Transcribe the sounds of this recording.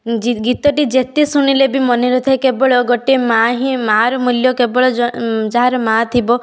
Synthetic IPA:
iɡit̪ɔʈid͡ʒet̪isuɽ̃ilebimɔneɾɔt̪ʰekebɔɭɔɡɔʈemaɦimaɾɔmuljɔkebɔɭɔd͡ʒaɦaɾɔmat̪ʰibɔ

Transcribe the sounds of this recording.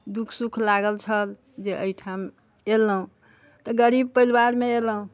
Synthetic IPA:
d̪ukʰsukʰlaɡəlt͡ʃʰəl | d͡ʒeʔəjʈʰam | elːəɦũ | t̪ɔɡəɾib̚pəilwaɾmeeləɦũ

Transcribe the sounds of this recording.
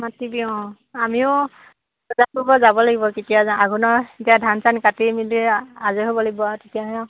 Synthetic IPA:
matibiɔ̃ | amiʊ | ɔzatubɔzabɔlaɡibɔketijazaaɡunɔetiadʱansankatimiliazeɦobɔlaɡibɔtetijaɦɔ̃

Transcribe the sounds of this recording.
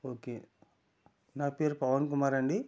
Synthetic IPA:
oːkeː | naːpeːɾpɐʋɐnk̬ʊmaːɾaːɳɖi

